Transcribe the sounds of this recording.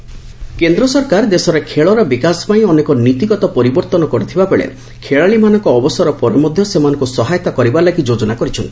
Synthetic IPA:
kend̪ɾɔsɔɾkaɾd̪esɔɾekʰeɭɔɾɔbikasɔ̥paĩɔnekɔnit̪iɡɔt̪ɔpɔɾibɔɾt̪ɔnɔkɔɾit̪ʰibabeɭḛ | kʰeɭaɭimanɔŋkɔːbɔsɔɾɔpɔɾɔmɔd̪ʱjɔsemanɔ̃ŋkusɔɦajɔt̪akɔɾibalaɡid͡ʒod͡ʒɔnakɔɾit͡ʃʰɔnt̪i̥

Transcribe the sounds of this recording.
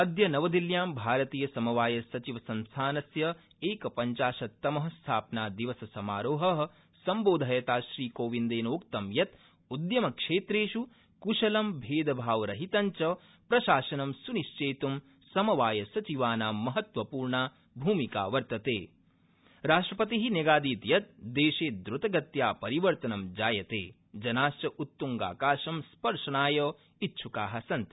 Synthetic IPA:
ɐd̪jɐnɐʋɐd̪iljaːmbʱaːɾɐt̪iːjɐsɐmɐʋaːjɐsɐt͡ʃiʋɐsɐnst̪ʰaːnɐsjɐ | eːkɐpɐɲt͡ʃaːʃɐt̪ːɐmɐɦɐst̪ʰaːpnaːd̪iʋɐsɐsɐmaːɾoːɦɐɦɐ | sɐmboːd̪ʱaːjɐt̪aːʃɾiːkoːʋind̪eːnoːk̚t̪ɐmjɐt̪ | ud̪jɐmɐkʂeːt̪ɾeːʃu | kuʃɐlɐmbʱeːd̪ɐbʱaːʋɾɐɦit̪ɐɲt͡ʃɐ | pɾɐʃaːʃɐnɐmsuniʃt͡ʃeːt̪um | sɐmɐʋaːjɐsɐt͡ʃiʋaːnaːmɐɦɐt̪ʋɐpuːɾɳaː | bʱuːmika̰ːʋɐɾt̪ɐt̪ḛː | ɾaːʃʈɾɐpɐt̪iɦinjeɡaːd̪iːt̪jɐt̪̚d̪eːʃeːd̪ɾut̪ɐɡɐt̪jaːpɐɾiʋɐɾt̪ɐnɐmd͡ʒaːjɐt̪ḛː | d͡ʒɐnaːʃt͡ʃɐʔut̪ːuŋɡa̰ːkaːʃɐmspɐɾʂɐnaːjɐ | itːʃʰukaːɦɐsɐnt̪

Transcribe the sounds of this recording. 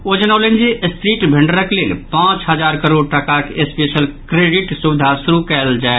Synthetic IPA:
od͡ʒənaʊlend͡ʒiʔst̪ɾiːʈbʱɪɳɖəɾəkleːlpãːt͡ʃɦəd͡ʒaːɾkəɾoːɖʈəkakespeːsəlkɾeɖiʈsuʋɪd̪ʱasuɾukɛld͡ʒae

